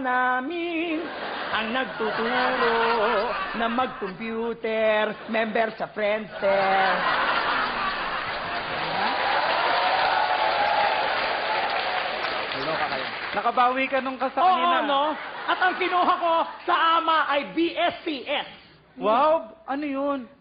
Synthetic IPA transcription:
naːmɪnʔɐŋnɐɡ̚t̪ut̪uːlo | nɐmɐɡ̚kompjuːt̪ɛɾmɛmbɛɾsɐfɾɛnd̪sɛ | a | tɐlokɐkɐ̰jo̰nɐkɐbaːwiːkɐnoŋkɐsaoːʔionno̞ʔɐt̪ɐŋkɪnuːɦɐko̞sɐʔaːmɐʔɐjbiʔɛspiʔɛs | wawbʔɐnojon

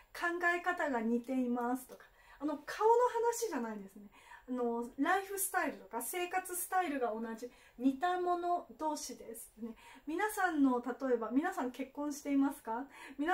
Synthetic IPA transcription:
kʰãŋɡaekat̪aɡaɲ̟it̪e̞imasɨ̥t̪o̞kḁ | ano̞kʰaono̞hanaɕiʑanaid̪e̞sɨne̞ano̞ɾaiɸɯ̟sɨ̥t̪aiɾɯ̟t̪o̞kase̞ːkat͡sɨsɨ̥t̪aiɾɯ̟ɡao̞nad͡ʑi | ɲ̟it̪amo̞no̞d̪o̞ːɕid̪e̞sɨ̥ne̞mʲinasãnːo̞t̪at̪o̞e̞bamʲinasãŋke̞kːõɰ̃ɕi̥t̪e̞imasɨ̥kamʲina

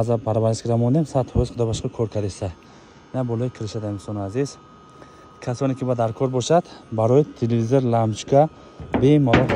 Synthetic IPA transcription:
azapʰaɾavaɾiskiɾamɔnd̪emsat̪hɔizχud̪ɔbaʃqɔkʰɔɾkʰaɾd̪esaj | nabɔlɔjikʰiɾiʃad̪amsɔnaziz | kʰasɔnekʲibad̪aɾkʰɔɾbɔʃad̪baɾɔjit̪ʰelevizoɾlamt͡ʃkʰa | bemalɔ

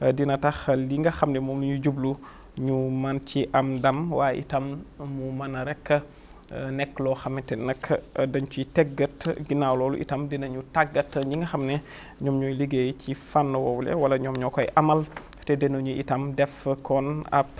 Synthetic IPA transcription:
dinɐtɐxliŋɡɐxɐmnɛmumɲuɟublu | ɲumɐnciʔɐmdɐmwaːʔḭtɐmːumɐnɐɾɛkːə | nɛkːlɔxɐmːɛtɛnɐkʰːdɐɲt͡ʃutɛɡɐtɡinawlɔːlṵʔḭtɐmdinɐɲutaɡːɐtɲiŋɡɐxɐmnɛ | ɲɔmɲujliɡejcifanːəwɔwulɛ̰wɐlɐɲɔmɲɔkɔjʔɐmɐl | tɛdɛnuɲuḭtɐmdɛfkɔnɐ̰p̚

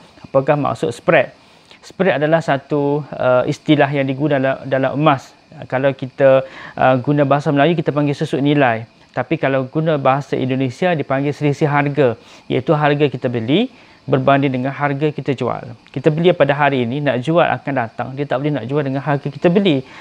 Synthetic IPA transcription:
apakahma̰ksʊ̰ʔspɾɛt̪̚ | spɾɛt̪̚adalahsat̪uəḭst̪ilaɦjaŋdiɡunaadalamʔəmãs | kalawkit̪aʔɡunãbaɦasaməlajukit̪apaŋɡɪlsusʊʔnĩlaj | t̪apikalawɡunãbaɦasaʔḭndonẽsiadipaŋɡɪlsəlisiɦarɡaja̰it̪uɦarɡakit̪abəli | bərbandɪndəŋanɦarɡakit̪ad͡ʒua̰lkit̪abəliapadaɦaɾiːninaʔd͡ʒua̰lʔa̰kandat̪a̰ŋdiat̪aʔbəlɛhnaʔd͡ʒualdəŋanɦarɡakit̪abəli

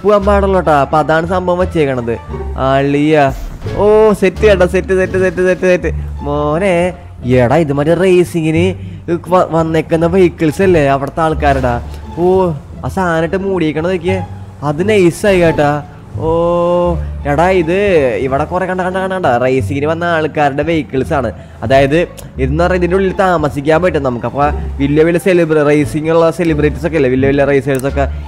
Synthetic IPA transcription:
puɣɐmbaːɽoɭːoʈːaːpɐðaːɳɨsɐmbɐʋʋɐt͡ɕːejkːɐɳːɐðɨaɭːijaoːsetːɨeɖɐsetːɨsetːɨsetːɨsetːɨsetːɨmone | ieɽaiðɨmaːtːɨrejsiŋɡinɨ | ʋɐnːekːunːɐʋɐjkːiɭsɐlːeɐʋiɽɐt̪ːaːɭkaːɾuɽaːoː | ɐsaːnɐʈːɨmuːɽijekʲːɐɳɐðok̬ʲːe | ɐðɨnejsajkaːjiʈːaː | oː | ɾeɽaiðɨiʋiɽɐkurekːɐɳɖɐkɐɳɖɐkɐɳɖɐɳɖaːrɐjsiŋɡiniʋɐnːɐaːɭkːaːɾuɽeʋejkːiɭsaːɳɨ | ɐðaːjɐðɨ | iɾunːɐʋrɐiðinduɭilːt̪aːmɐsikʲːaːmpɐiʈːumnɐmukːɐpːoːʋiljɐʋilːɐselibrrɐjsiŋːɐɭuɭːɐselibreːʈːisokːeilːɐʋiljɐʋiljɐrɐjsiɣɐʈsokːe

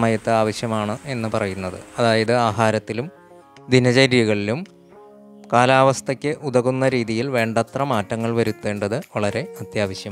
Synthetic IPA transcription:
mɐjɐt̪ːɨaːʋɐɕjɐmaːɳɨe̞nːɨpɐrɐjunːɐðɨ̰ɐðaːjɐðɨaːɦaːɾɐt̪ːilum | d̪ʱinɐd͡ʑɐɾjɐɣɐɭilum | kaːlaːʋɐst̪ʰɐkʲːɨʔud̪ɐɣunːɐɾiːðijilʋe̞ːɳɖɐt̪rɐmaːtːɐŋːɐɭʋɐɾut̪ːe̞ːɳɖɐðɨʋɐɭɐɾe̞ɐt̪jaːʋɐɕjɐm

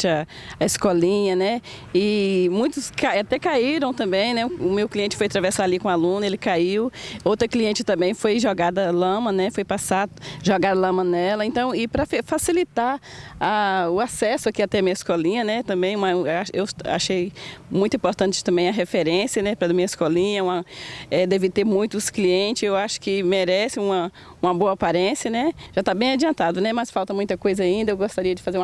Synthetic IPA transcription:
t͡ʃɪɐ | ɐɪskɔlĩɲɐnɛ | ɪmũj̃t̪ʊskaat̪ɛkaiɾɐ̃w̃t̪ɐ̃mbẽj̃nɛʊmewkliẽnt͡ʃɪ̥fojat̪ɾavesaalikõalũnʊelɪkaiwowt̪ɾɐkliẽnt͡ʃɪt̪ɐ̃mbẽj̃fojʒɔɡad̪ɐlɐ̃mɐnɛfojpasaʒɔɡad̪ɐlɐ̃mɐ̃nɛlɐẽnt̪ɐ̃w̃ɪpɾɐfefasilit̪aaʊasɛsʊakiat̪ɛɐmĩɐɪskɔlĩɲɐnɛt̪ɐ̃mbẽj̃ũmɐaʃewa̰ʃejmũj̃t̪ʊĩpoɾt̪ɐ̃nt͡ʃɪ̥t̪ɐ̃mbẽj̃ɐɦefeɾẽsjɐnɛpɾɐɐmĩɲɐɪskɔlĩɲɐũmɐɛd̪ɛvɪt̪eɾmũj̃t̪ʊskliẽnt͡ʃɪzewaʃʊ̥kɪmeɾɛsɪũmɐ | ũmɐboɐpaɾẽsjɐnɛʒ̥at̪abẽj̃ad͡ʒiɐ̃nt̪ad̪ʊnɛmɐsfawt̪ɐmũj̃t̪ɐkojzɐaĩnd̪ɐewɡost̪aɾiɐd͡ʒɪfazeɾũ

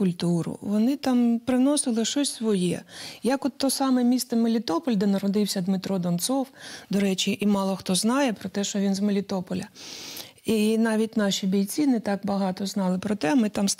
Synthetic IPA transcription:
kʊlʲt̪uɾʊ̰ʋɔnɪt̪ɑmpɾɪnɔsɪlˠɪʃɔsʲsʋɔjɛ̰jɐkɔt̪ːɔsɑmɛmʲist̪ɛmelʲit̪ɔpɔlʲd̪ɛnɐɾɔd̪ɪwsʲɐd̪mɪt̪ɾɔd̪ɔnt̪sɔwd̪ɔɾɛt͡ʃiʔimɑlˠɔxt̪ɔznɑjɛpɾɔt̪ɛʃt͡ʃɔʋʲinzmelʲit̪ɔpɔlʲɐ | inɑʋʲit̚ʲnɑʃʲibʲijt͡sʲinɛt̪ɑkbɐɦɑt̪ɔznɑlˠɪpɾɔt̪ɛmɪt̪ɑms

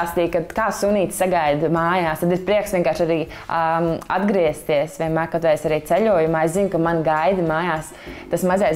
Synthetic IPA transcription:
st̪iːkad̪kaːsuniːt̪saɡajd̪maːjaːst̪ad̪ispɾiɛksʋieɛnkaːɾʃaɾiː | ad̪ɡɾiɛst̪iɛsʋʲiɛnmaːjkat̪ʋɛesaɾiːt̪sɛʎʲuɔjumaːeszinkamanɡajd̪maːjaːs | t̪asmazajs

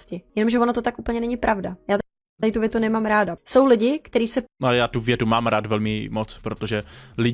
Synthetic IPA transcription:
scɪjɛno̞mʒɛvonot̪ot̪akʔupl̩ɲɛnɛɲɪpɾʔavdajaːt̪ | aɾɪt̪uvjɛt̪unɛmaːmɾaːdaso̞wlɪɟɪkt̪ɛɾiːsɛajaːt̪uvjɛt̪umaːmɾaːt̪vɛlmɪmot͡spɾot̪oʒɛlɪ

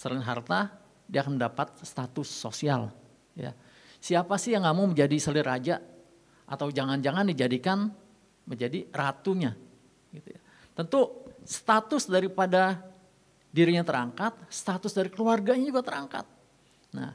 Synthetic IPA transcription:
səlɪnɦa̰rt̪a | diakanməndapat̪̚st̪at̪ʊsːo̰sial | ja̰ | siapasɪhjaŋːamaŋməɲd͡ʒadisəlɪrad͡ʒa | ʔat̪awd͡ʒaŋand͡ʒaŋandid͡ʒadikan | məɲd͡ʒadirat̪uɲa | ɡit̪ṵja | t̪ənt̪ust̪at̪ʊsdaɾipada | diɾiɲat̪əɾaŋkat̪̚st̪at̪ʊsdaɾikəluarɡaɲad͡ʒuɡat̪əɾaŋka̰t̪̚ | na̰h

